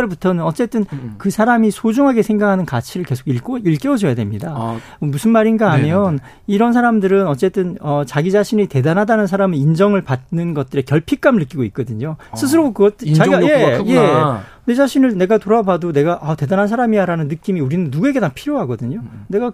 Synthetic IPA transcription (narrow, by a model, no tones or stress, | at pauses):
ɭbutʰʌnɯnʌt͡ɕ͈e̞t͈ɯnkɯsʰaɾamisʰod͡ʑuŋɦaɡe̞sʰe̞ŋɡakʰanɯnkat͡ɕʰiɾɯɭke̞sʰoɡiɭ͈oiɭk͈e̞od͡ʑʌjadwemɲida | musʰɯnmaɾinɡaamjʌn | iɾʌnsʰaɾamdɯɾɯnʌt͡ɕ͈e̞t͈ɯnʌt͡ɕaɡid͡ʑaɕʰiɲite̞danɦadanɯnsʰaɾamɯind͡ʑʌŋɯɭpadnɯnɡʌt̚t͈ɯɾe̞kjʌɭpʰik͈amɯɭːnɯk͈iɡoit̚k͈ʌdɯɲosʰɯs̬ʰɯɾokɯɡʌt͈eje̞ | ned͡ʑaɕʰinɯɭne̞ɡatoɾabadone̞ɡaʔate̞danɦans̬ʰaɾamijaɾanɯnːɯk͈imiuɾinɯnːuɡue̞ɡenapʰiɾjoɦaɡʌdɯɲone̞ɡa